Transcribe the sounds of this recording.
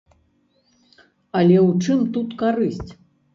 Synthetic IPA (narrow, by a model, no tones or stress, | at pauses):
ɐlʲɛwt͡ʂɨmt̪ut̪kaɾɨsʲt͡sʲ